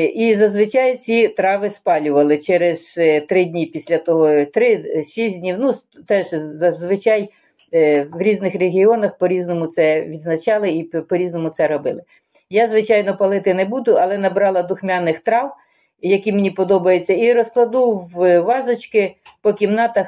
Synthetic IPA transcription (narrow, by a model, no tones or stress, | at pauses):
izɐzʋɪt͡ʃɑjt͡sʲit̪ɾɑʋɪspɑlʲʊʋɐlˠɪt͡ʃɛɾɪz̥t̪ɾɪdʲnʲipʲisʲlʲɐt̪ɔɦɔt̪ɾɪʃisʲdʲnʲiwnu | t̪ɛʒzɐzʋɪt͡ʃɑj | ʋɾʲiznɪxreɦʲiɔnɐxpɔɾʲiznɔmʊt̪sɛʋʲid̪znɐt͡ʃɑlˠɪipɔɾʲiznɔmʊt̪sɛɾɔbɪlˠɪ | jazʋɪt͡ʃɑjnɔpɐlˠɪt̪ɪnebud̪ʊɐlˠɛnɐbɾɑlˠɐd̪ʊxmʲɑnɪxt̪ɾɑw | jɐkʲimenʲipɔd̪ɔbɐjet͡sʲːɐiɾɔsklˠɐd̪uwʋɑzɔt͡ʃkɪ | pɔkʲimnɑt̪ɐx